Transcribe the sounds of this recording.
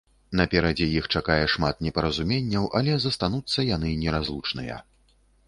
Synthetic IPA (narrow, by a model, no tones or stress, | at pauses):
n̪ɐpʲɛɾɐd͡zʲɛjixt͡ʂakajɛʂmat̪nʲɛpɐɾɐzumʲenʲːɐwʔɐlʲɛzɐst̪anut̪sːɐjan̪ɨnʲɛɾazlˠut͡ʂnɨjɐ̰